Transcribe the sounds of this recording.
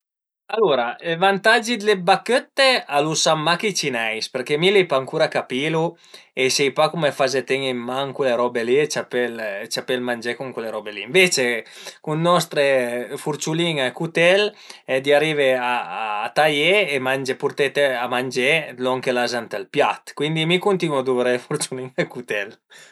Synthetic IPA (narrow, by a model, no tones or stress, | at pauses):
aluɾaelvant̪ad͡ʒid̪lebakøt̪ːealusamːaket͡ʃinɛjspeɾkemilipaːŋkuɾakapilu | esɛjpakumefazet̪eŋemmaŋkweleɾɔbeliet͡ʃapelt͡ʃapelmand͡ʒekuŋkweleɾɔbeliːɱvet͡ʃekunnɔst̪ɾefuɾt͡ʃuliŋakut̪ɛl | ɛd̪iaɾiveaːt̪ajeːmand͡ʒepuɾt̪et̪eamand͡ʒelɔŋkelazant̪elpjat̪kwind̪imikunt̪inɔd̪uveɾefuɾt͡ʃuliŋakut̪ɛl